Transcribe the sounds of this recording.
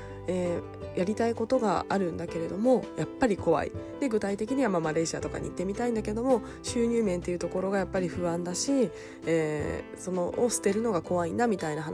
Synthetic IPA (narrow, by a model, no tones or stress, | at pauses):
eː | jaɾʲit̪aiko̞t̪o̞ɡa̰aɾɯ̟̃nd̪ake̞ɾe̞d̪o̞mo̞japːaɾʲiko̞βa̰ḭd̪̥e̞ɡɯ̟t̪ait̪e̞k̬ʲiɲ̟iβamamaɾe̞ːɕiat̪o̞ka̰ɲ̟ḭːt̪ːe̞mʲit̪aĩnd̪ake̞d̪o̞mo̞ | ɕɨːɲ̟ɨːmẽ̞nt̪e̞jiɯ̟t̪o̞ko̞ɾo̞ɡajapːaɾʲiɸɯ̟βãnd̪aɕi | eːso̞no̞ʔosɨ̥t̪e̞ɾɯ̟no̞ɡako̞βainamʲit̪ainaɦan